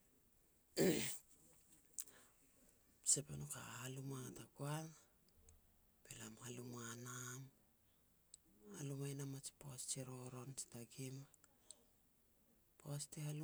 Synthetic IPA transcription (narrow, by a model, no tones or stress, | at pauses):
sepenoka̰halumatakuaŋ | belamhalumanam | halumajnamat͡ʃi̥poast͡ʃiɾo̞ɾo̞nt͡ʃi̥taɡima | poastihalu